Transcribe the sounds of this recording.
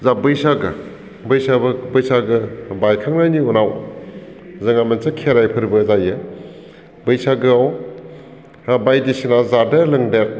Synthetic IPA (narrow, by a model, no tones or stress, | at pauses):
zabɯjsaɡɯ | bɯjsabɯbɯjsaɡɯbajkʰaŋnajniɔnaw | zɐŋamensakʰeɾajpʰɯɾbɯzajɯ | bɯjsaɡɯaw | bajdisinazadalɯŋdek̚